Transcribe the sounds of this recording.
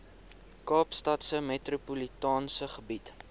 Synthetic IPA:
kɑːpstɐtsəmetrupulitɑːnsəχəbit

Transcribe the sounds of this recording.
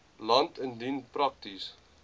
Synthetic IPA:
lɐntəndinprɐk̚tis

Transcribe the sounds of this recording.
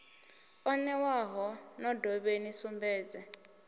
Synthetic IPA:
ɔnɛwaɦɔnɔdɔβenisumbɛːd͡zɛ

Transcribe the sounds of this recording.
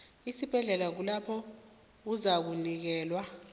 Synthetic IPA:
isib̥ʱɛɮɛlak̬ulapʰɔ | uzak̬unik̬ɛːlwa

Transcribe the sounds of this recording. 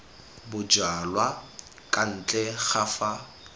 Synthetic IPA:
bʊd͡ʒalwa | kʼan̩t͡ɬʼɛɣafa

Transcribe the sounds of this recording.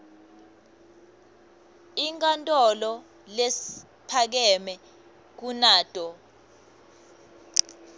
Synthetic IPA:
iŋkʼantʼɔlɔ | les | pʰak̬ɛmɛ | k̬unaːd̥ʱʼɔ

